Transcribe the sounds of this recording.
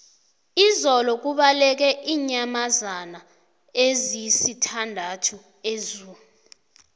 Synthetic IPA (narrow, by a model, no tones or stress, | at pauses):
izɔlɔk̬uɓalɛk̬ɛʔiːɲamazana | ezisitʰandʱatʰu | ezuː | u